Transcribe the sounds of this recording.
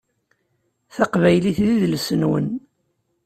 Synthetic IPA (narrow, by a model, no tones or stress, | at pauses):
θɑqvæjliθðiðlsənwə̰n